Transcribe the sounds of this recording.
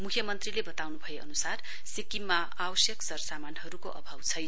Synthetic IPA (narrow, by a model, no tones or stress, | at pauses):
mukʰjʌmʌnt̪rilebʌt̪awnubʱʌjeʌnusar | sikimːa | awʌsjʌksʌrsamanɦʌɾukoʔʌ̰bʱawt͡sʰʌj